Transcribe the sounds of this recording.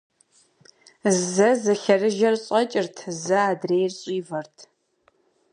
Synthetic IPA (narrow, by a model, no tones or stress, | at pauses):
zɐzɐɬɐrɨʒɐrɕʼɐt͡ʃʼɪrtʰɨzɐaːdreːjrɕʼiːvɐrtʰ